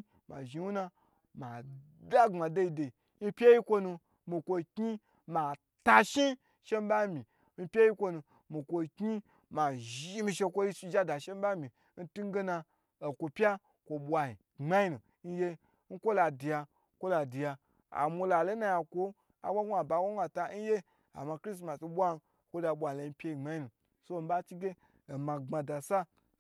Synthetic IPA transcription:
ma˨ʒi˨˧wu˦na˧ | ma˨ | da˦ŋ͡ma˨de˧i˧de˨i˨ | ni˦pʲe˦ji˦kʷo˧nu˧ | mi˧kʷo˧kɲi˦ | ma˨ | ta˧ʃi˦ | ʃe˦m˦ba˦mi˨ | m̩˧pʲe˦ji˦kʷo˧nu˧ | mi˨kʷo˧kɲi˦ | ma˨ʒi˦mi˧ʃe˧kʷo˦ji˦su˧d͡ʒa˦da˨ʃe˦m˦ba˦mʲi˨ | n̩˦tu˦ŋ˦ɡe˦na˧ | o˨kʷo˧pʲja˦ | kʷo˨ɓʷa˨ji˨ | ŋ͡ma˦ji˦nu˨ | n̩˦je˧ | n̩˦kʷo˦la˨di˨ja˧˦ | kʷo˦la˨di˨ja˧ | a̰˨mʷo˧la˨lo˦na˧ja˨kʷo˦ | a̰˨wʷa˦ɡʷa˨ba˨wʷo˦a˨ta˧˦n̩˦je˦ | a̰˨ma˧kɾi˦s̬ma˨so˧˦ɓʷa˦n˦ | kʷo˦da˧ɓʷa˨le˨˧m̩˦pʲe˦ji˨ŋ͡ma˦ji˦nu˨ | so˦˨m̩˦ba˦t͡ʃi˦ɡʲe˦ | o˨ma˨ŋ͡ma˨da˨sa˦

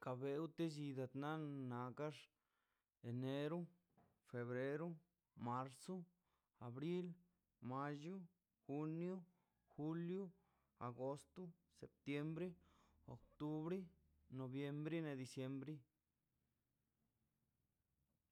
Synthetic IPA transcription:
ka˨βe˧u˦t̪e˦d͡ʒi˧d̪a˨t̪na˦na˨ka˦ʐ | e˨ne˧ɾo˦ | fe˨βɾe˧˦ɾu˦ | ma˧ɾso˦ | a˨βɾi˦l | ma˧ju˦ | xu˧njo˦ | xu˦ljo˦ | a˨ɡo˧st̪o˦ | sḛ˨p̚t̪je˧mbɾe˦ | o̰˨kt̪u˧βɾe˦ | no˨βje˧mbɾi˦ne˧d̪i˧sje˧mbɾi˦

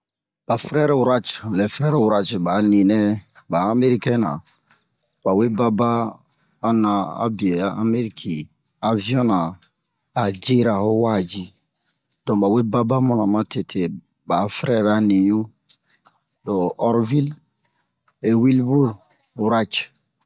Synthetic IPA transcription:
b̥a˨fɾɛ˦ɾɛ˨wɾa˦t͡ʃlɛ˨fɾɛ˦ɾɛ˨wu˨ɾa˨t͡ʃba˨˦nĩ˨nɛ˦ | baː˨˦me˦ɾi˦kɛ˦na̰˨ | ba˨we˦ba˦baː˦ | nã˨a̰˦bi˨e˨a˦a˦me˦ɾi˦kʰi˨ | a˨vi˦ɔ̃˦nãː˨ | d͡ʒe˦ɾa˨hɔ˦wa˦˨d͡ʒi˦ | d̥ɔ̃˨ba˨we˦ba˦ba˦mɔ̃˨nã˨mã˦te˨tʰe˨ | ba˨˦fɾɛ˦˨ɾa˨˦ni˨ɲũ˦ | do˨ɔ˨ɾvi˦l | e˨wi˦lbu˦l | wɾa˦t͡ʃ

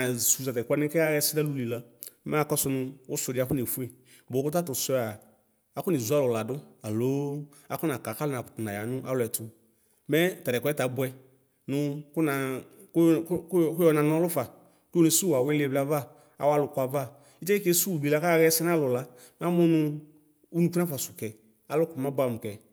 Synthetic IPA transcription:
a˨su˨sa˨tɛ˨ka˧˦nɪ˦kɛ˦a˦ɣɛ˧sɪ˦da˦lu˨˧li˨la˦ma˦˨kɔ˦sʊ˧nʊ˧ʊ˦sʊ˧˨dɪ˧˨a˧kʊ˦ne˨fu˦e˨ | bʊ˨kʊ˦t̬a˦tʊ˨sɔ˧˦a˨ | a˦kʊ˦ni˨zu˨˦a˦lʊ˨la˨dʊ˦a˨loː˦ | a̰˨˦kʊ˦na˨ka˨ka˦lʊ˦na˨ptʊ˨na˨ja˨nʊ˦ʔa̰˦lʊ˧˨ɛ˨tʊ˧ | mɛ˦ta˨ɾɛ˨kʷta˨˦bwɛ˧ | nʊ˧kʊ˦na˨˧˦ | kkʊ˦ɔ˧˦na˨nʊ˦a˦lʊ˦fa˨ | ko˦ne˨su˦˨a˨we˦le˧bla˧va˦ | a̰˨wa˦lʊ˨kwa˧va˦˨ | i˦t͡ʃɛ˦i˦ke˦su˦˨bi˨la˧ka˦˨ɣɛ˦sɛ˦n˦a˦lʊ˨la˨ | m˦a˦mʊ˦nʊ˧ | u˦nu˨ku˦na˦fa˨sʊ˨kɛ˨ | a˨˦lʊ˦kʊ˨ma˦ba˨mʊ˨kɛ˨

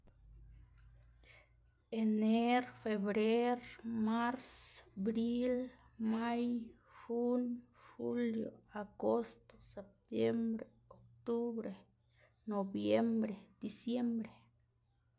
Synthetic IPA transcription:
eneɾfe˨βɾe˦ɾma˦ɾsbɾi˦l | ma˦j | hunhuljo̰˨aɡo˦st̪o̥sep̚t̪je˦mbɾe | okt̪u˦βɾe˨ | nobjembɾe˨d̪̥isje˦mbɾe˨

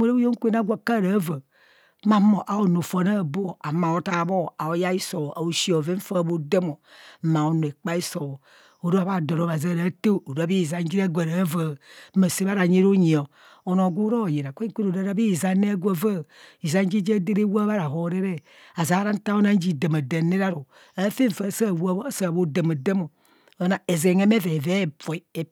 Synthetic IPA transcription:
o˦˨ɾa˦o˦jo˦ŋ̩˦kʷe˦na˨˦ɡʷa˦ka˦˨ɾa˨˦va˨˦ | ma˦mo˨ʔa˨o˨no˨fo˨na˦˨bo˦o˨a˨ma˨o˦ta˦˨bo˦a˨o˨ja˦i˦so˨ʔa˨o˦ʃi˦o˨ve˦fa˦˨˦bo˦de˦mo˨˦ma˨o˨nu˨e˨k͡pa˦i˦so˨w | o˨ɾa˦βa˦do˨ɾo˨˦βa˨za˦˨ɾa˨˦te˦o˨ɾa˦bi˦˨za˨n˦d͡ʒi˦ɾa˦ɡʷa˨ɾa˨˦va˨˦ma˨se˦βa˦ɾa˨ɲe˦ɾo˦ɲi˨o˨ | o˨no˨ɡu˦ɾo˦˨je˨a˨kʷe˦ki˦ɾo˨ɾa˦ɾa˦bi˦˨za˦ne˦ɡʷa˦va˦i˨za˦n˦d͡ʒi˦d͡ʒe˦de˦ɾe˦wa˦βa˦ɾa˨ɦo˨ɾe˦ɾe˦ | a˨za˨˦ɾa˦n̩˦ta˦o˦na˦n˦d͡ʒi˨da˨ma˨de˨ne˦ɾa˦ɾo˨ | a˦fe˦ɱ˨fa˨˦˨sa˦˨wa˦sa˦˨βo˦da˨ma˨da˦mo˨˦ | na˨e˨ze˨ŋe˦me˦ve˨ve˦˨po˨i˨e˨

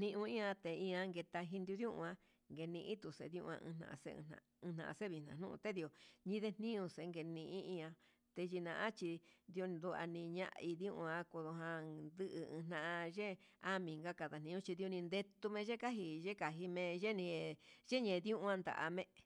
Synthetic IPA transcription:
n̥ĩ˧ʔũ˧ĩ˦ã˧t̪e˨˧˨ĩ˧ã˧ŋɡe˧t̪a˧ɦi˧nd̪ju˧ðjũ˦ʔṵ̃˧ã˧ | ŋɡe˧nĩ˧ʔĩ˦t̪u˨sḛ˧ðjṵ̃˧ʔũ˧ã̰˧ʔɨ̰̃˧nã̰˧ʔa̰˧sḛ̃˦˧nã̰˨˧ | ɨ̃˧n̥ã̰˨ʔa̰˧se˦βi˧nã̰˨n̥ṵ̃˦ʔṵ̃˧t̪e˦ði˧o˧˨ɲĩ˧ðe˧n̥nĩ˦ũ˧se˨˧˦ŋɡe˧nĩ˧ʔĩ˦ĩ˧ã˧ | t̪e˧ʒi˧nã̰˧˨ʔã˦t͡ʃi˧d̪i˧o˧d̪u˧a̰˧nĩ˧ɲã̰˧ʔi˧ðjũ˦ʔũ˧ã˧ko˧ðo˧ɦã˧nd̪ɨ˦ʔɨ˧ɨ̃˧n̥ã˧ʔã˧ʒe˦ | a˦mĩ˨ŋɡa˦ka˧˨ða˨n̥ĩ˧ũ˦t͡ʃi˧ði˧o˧nĩ˧nd̪e˧t̪u˧mẽ˧ʒe˦ka˦ɦi˧ʒe˦ka˨ɦi˧mẽ˧ʒe˦nĩ˧ʒe˦ɲẽ˨˧ðũ˦ʔũ˧ã˧nd̪a̰˨ʔa̰˧mẽ˦˧

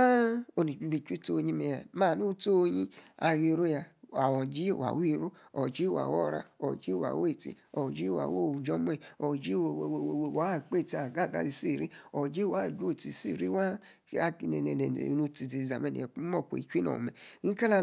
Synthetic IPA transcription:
a˦o˧ni˨d͡ʒi˧bi˧˨t͡ʃi˦to˦˧ɲĩ˦me˧˨ja˨ma˦˨nu˦to˦˧ɲĩ˦a˧˨ji˧˨ɾo˦ja˧a˨wɔ̃˨d͡ʒi˦˨wa̰˨wi˦˨ɾu˦ɔ˨d͡ʒi˦wa̰˨wo˦˨ɾa̰˧ɔ̰˨d͡ʒi˦˨wa̰˨we˦˨tḭ˨ɔ˨d͡ʒi˦wa̰˨wo˦˨u˨d͡ʒɔ˦mo˦i˨ɔ˨d͡ʒi˦˨wwwo˨we˨wa˨˦˨k͡pe˦˨ti˨˧a˨ɡa˦˨ɡa̰˨˦zi˧si˦˨ɾi˦ɔ˨d͡ʒi˦wa˨˦˨d͡ʒu˦o˦˨ti˨si˦˨ɾi˦wa˦ | a˦ki˨ne˨ne˨nḛ˨nu˧ti˧˨zi˨za˨me˦nḭ˨u˦ɔ˦˨ko̰˨i˨t͡ʃi˦no̰˨mḛ˨˦ĩ˦ka˦la˦

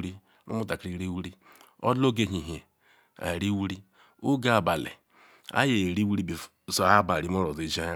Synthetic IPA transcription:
ɾi˦ | nṵ˦mu˦ta˨kɾi˦ɾi˦wu˦ɾi˦ | ɔ̰˦do˦ɡe˦ɦi˨ɦe˨ | a̰˨ɾi˦wu˦ɾi˦ | u˦ɡa˦a˨ba˨lḛ˨ | a̰˦je˨ɾi˦wu˦ɾi˦bi˨so˨˦a˦ba˨ɾi˨˦m˦o˦ɾo˨zi˨˦d͡ʒa˦ja˦

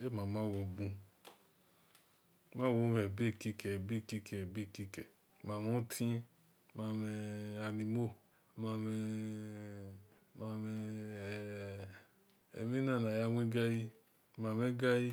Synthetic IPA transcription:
e˦ma˨ma˦wo˧˨bũ˦ | ma˦wo˨˦me˨be˦˨ki˧kɛ˨be˦˨ki˧kɛ˨bi˦˨ki˧kɛ˨ | ma˨mo˦tʰĩ˦ | ma˨mɛ˨a˨ni˨mo˦ | ma˨mɛ˧ | ma˨me˧˨ | ḛ˨mi˦na˦na˨ja˦wʷi˦ɡa˦ji˦ | ma˨me˦ɡa˦ji˦

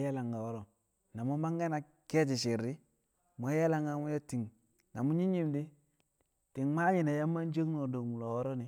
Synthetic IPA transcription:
ja˦la˨ŋɡa˨wo˦ɾo˨ | na˨mu˦ma˦ŋɡa˦na˨ | ke˦t͡ʃi˨ʃi˨ɾːi˦ | m˨o˦ja˦la˦ŋa˦mu˦jo˦ti˨ŋ | na˨mu˦ɲi˦ɲi˦mdi˦ | ti˨ŋma˦ɲi˨na˨ja˦mːa˦n˦d͡ʒe˦kno˨do˨mu˨lo˨wo˦ɾo˦ni˨

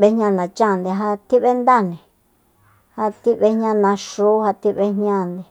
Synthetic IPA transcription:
βe˧˦ɲã˧nã˨t͡ʃã˦˨nd̪e˧ɦa˧t̪i˦βe˦nd̪a˦˨nĩ˨ | ha˧t̪i˦βe˦ɲɲã˧nã˧ʂu˦ha˧t̪i˦βe˧ɦɲã˦˧˨nd̪i˧

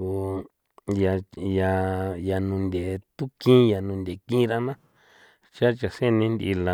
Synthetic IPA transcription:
u˧ | ja˧ja˧ja˧nũ˧nd̪ʲe˨t̪u˦kĩ˦ja˨nũ˧nd̪ʲe˨kĩ˦ɾa˧nã˦ | t͡ʃa˦t͡ʃa˨se˦˧nĩ˧˦nd̪ḭ˧la˧

